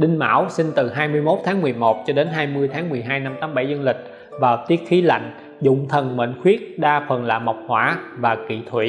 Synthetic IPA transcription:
ɗï˧ŋ̟ma̰ː˧˥˨wsi˧ŋ̟t̪ɨ˨˩ɦaː˧jmɨ˧əjmo˦˥t̚t̪ʰaː˨˦ŋmɨ˨˩əjmo˨˩t̚t͡ɕɔ˧ɗe˨˦nɦaː˧jmɨ˧əjt̪ʰaː˨˦ŋmɨ˨˩əjɦaː˧jna˧mt̪aː˨˦mɓa˧˩jzə˧nlï˨˩k̟̚ | vaː˨˩wt̪i˦˥ət̚xi˨˦la̰˧˨jŋ̟ | zʊ̰˧˨ŋ͡mt̪ʰə˨˩nmḛ˧˨nxwi˦˥ət̚ɗaː˧fə˨˩nla̰ː˧˨ma˨˩wk͡p̚hwaː˧˩vaː˨˩kḭ˧˨t̪ʰwḭ˧˨

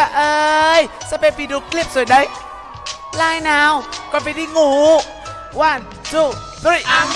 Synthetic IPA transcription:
a˧˩ʔɤː˧jsaː˧˥˦pe˧pi˧˩ɗu˨˧˦kli˦˥˩əp̚su˨˩˦jɗə˧˩j | laː˧jnaː˨˧wkɔː˧˩npa˧˩jdi˧˩ŋuː˨˩˦ | waː˧˩˨n | zu˧˩ | t̪ːi˨˩

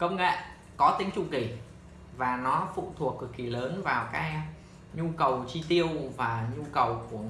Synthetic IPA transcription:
kə˧wŋ͡mŋḛ˧˨ | kɔ˨˦t̪ï˨˦ŋ̟t͡ɕʊ˧˩ki˧˩ | vaː˨˩nɔ˨˦fṵ˧˨t̪ʰu˨˩əkːɨ˨˩k̚kːi˧˩ləː˨˦nvaː˨˩wkaː˨˦ | ɲu˧kə˨˩wt͡ɕi˧t̪i˧əwvaː˨˩ɲu˧kə˨˩wku˧˩ə

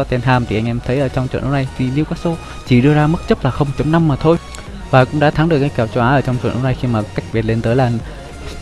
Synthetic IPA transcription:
ɔ˧t̪e˧˩nɦaː˧˩mt̪ʰi˨˩ʔa˧ŋ̟ʔɛ˧mt̪ʰə˨˦jʔəː˧˩t͡ɕɔ˧wŋ͡mt͡ɕw̰nʔo̰˨˧˦na˧˩jt̪ʰi˨˩li˧əkaː˦˥k̚so˨˦ | t͡ɕi˧˩ɗɨ˧əzaː˧mɨ˦˥k̚t͡ɕə˦˥p̚laː˨˩xə˧wŋ͡mt͡ɕə˨˦mna˧mːaː˨˩t̪ʰo˧j | vaː˨˩kʊ̰˧˥ŋ͡mɗa̰ː˧˥t̪ʰa˨˦ŋɗɨ˨˩əkːaː˨˦jkaː˧˩wt͡ɕo˧ʔaː˨˦ʔəː˧˩t͡ɕɔ˧ŋ͡mt͡ɕw̰nʔo̰˨˦wna˧jxi˧maː˨˩ka˦˥jk̚ɓi˨˩t̚le˧nt̪əː˨˦jlaː˨˩

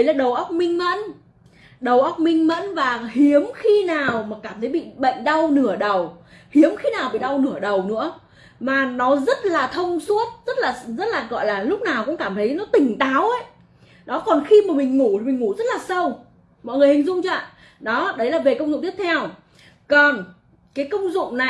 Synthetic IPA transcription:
ɗə˨˦jlaː˨˩ɗə˨˩wʔə˦˥wk͡p̚mï˧ŋ̟mə̰˧˥n | ɗə˨˩wʔə˦˥wk͡p̚mï˧ŋ̟mə̰˧˥nvaː˨˩hi˨˦əmxi˧naː˨˩wmaː˨˩kaː˧˩mt̪ʰə˨˦jɓḭ˧˨ɓə̰˧˨jŋ̟ɗa˧wnɨ˧˩əɗə˨˩whi˨˦əmxi˧naː˨˩wɓḭ˧˨ɗa˧wnɨ˧˩əɗə˨˩wnɨ̰˧˥ə | maː˨˩nɔ˨˦zə˦˥t̚laː˨˩t̪ʰə˧wŋ͡mswu˦˥ət̚zə˦˥t̚laː˨˩zə˦˥t̚laː˨˩ɣɔ̰˧˨jlaː˨˩lʊ˦˥k͡p̚naː˨˩wkʊ̰˧˥ŋ͡mkaː˧˩mt̪ʰə˨˦jnɔ˨˦t̪ï˨˩ŋ̟t̪aː˨˦wʔə˨˦j | ɗɔ˨˦kɔ˨˩nxi˧maː˨˩mï˨˩ŋ̟ŋu˧˩t̪ʰi˨˩mi̟˨˩ŋu˧˩zə˦˥t̚laː˨˩sə˧w | mɔ̰˧˨jŋɨ˨˩əjhï˨˩zʊ̰˧˨ŋ͡mt͡ɕa˧˨ | ɗɔ˨˦ɗə˨˦jlaː˨˩ve˨˩kə˧wŋ͡mzʊ̰˧˨ŋ͡mt̪i˦˥p̚t̪ʰɛ˧w | kɔ˨˩n | kaː˨˦jkə˧wŋ͡mzʊ̰˧˨ŋ͡mna˨˩

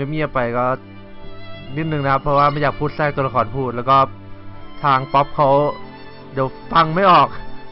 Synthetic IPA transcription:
ma˥˩jmiː˧˩ʔa˨˩pa˧˩jkɔː˥˩ | ni˧˩nɯ˨˩ŋna˦kʰa˦˥pʰːɾɔ˧˥waː˥˩ma˥˩jaː˨˩pʰuː˥˩t̪̚saː˥˩kt̪u˧la˧kʰɔː˨˩˦npʰuː˥˩t̪̚lɛː˦˥wkɔː˥˩ | t̪ʰaː˧ŋpɔ˦˥p̚kʰa˦˥w | di˨˩˦wpa˥˩ŋma˥˩jʔɔː˨˩k̚

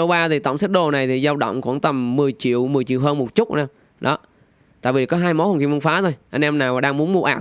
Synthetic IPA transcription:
ə˧wɓaː˧t̪ʰi˨˩t̪ə̰˧˨wŋ͡msa˦˥t̚ɗo˨˩na˨˩jt̪ʰi˨˩zaː˧wɗə̰˧˨wŋ͡mkṵ˧˩ənt̪ə˨˩mːɨ˨˩əjt͡ɕḭ˧˨əwmɨ˨˩əjt͡ɕḭ˧˨wɦəː˧nmo˨˩t̚t͡ɕʊ˦˥a˧ | ɗɔ̰˨˦ | t̪a̰ː˧˨jvi˨˩kɔ˨˦ɦaː˧jmɔ˨˦whə˨˩ki˧˩mvə˧ŋfaː˨˦t̪ʰo˧jʔə˧jŋ̟ʔɛ˧mnaː˨˩wmaː˨˩ɗaː˧ŋmu˨˦ənmu˧ʔaː˨˩

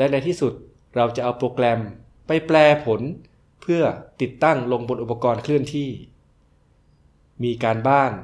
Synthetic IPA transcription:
lɛ˦˥na˧jt̪ʰiː˥˩su˨˩t̪̚ | ɾa˧wt͡ɕa˨˩ʔa˧wpɾoː˧klɛ˧m | pa˧jplɛː˧pʰo˩˦n | pʰɯ˥˩ɐt̪i˨˩t̪ːa˥˩ŋlo˧ŋbo˧nʔu˨˩pːa˧kɔː˧nkʰlɯ˥˩ənt̪ʰiː˥˩ | miː˧kaː˧nbaː˥˩ŋ

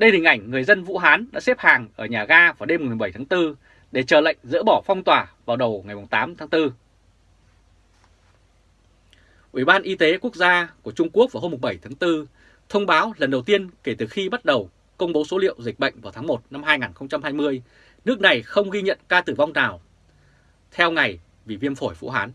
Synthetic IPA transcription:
ɗə˧jhï̟˨˩ʔa˧˩jŋ̟ːŋɨ˨˩əjzə˧nvṵ˧˥ɦaː˨˦nɗa̰ː˧˥sɛ˦˥p̚haː˨˩ŋʔəː˧˩ɲaː˨˩ɣaː˧vaː˨˩ɗe˧m̚˨˩m˨˩ɓə˧˩jt̪ʰaː˨˦t̪ɨ˧ | ɗe˧˩t͡ɕəː˨˩lə̰˧˨jŋ̟zɨ̰˧˥ɓɔ˧˩fa˧wŋ͡mt̪waː˨˩vaː˨˩wɗə˨˩wŋa˨˩jmʊ˨˩ŋ͡mt̪aː˨˦mt̪ʰaː˨˦ŋt̪ɨ˧ | ʔḭ˧˩ɓaː˧nʔi˧t̪e˨˦ku˦˥ək̚zaː˧ku˧˩ət͡ɕʊ˧ŋ͡mku˦˥ək̚va˨˩ho˧mʊ˨˩ŋ͡mɓə˧˩jt̪ʰaː˨˦ŋt̪ɨ˧ | t̪ʰə˧wŋ͡mɓaː˨˦wlə˨˩nɗə˨˩wt̪i˧ənke˧˩t̪ɨ˨˩xi˧ɓa˦˥t̚ɗə˨˩w | kə˧wŋ͡mɓo˨˦so˨˦lḭ˧˨əwzï˨˩k̚ɓə̰˧˨jŋ̟vaː˨˩wt̪ʰaː˨˦ŋmo˨˩t̚na˧mhaː˧jŋaː˨˩nxə˧wŋ͡mt͡ɕa˧mhaː˧jmɨ˧əj | nɨ˦˥ək̚na˨˩jxə˧wŋ͡mɣi˧ɲə̰˧˨nkaː˧t̪ɨ˨˩va˧wŋ͡mnaː˨˩w | t̪ʰɛ˧wŋa˨˩j | vi˨˩vi˧əmfo˧˩jfṵ˧˥ɦaː˨˦n

